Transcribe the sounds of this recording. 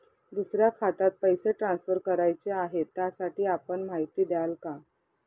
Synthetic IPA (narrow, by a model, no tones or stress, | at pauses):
d̪usɾjakʰat̪at̪̚pəjseʈɾãnsfəɾkəɾajt͡ɕeaɦet̪ːjasaʈiːapəɳm̤aɦit̪iːd̪jalka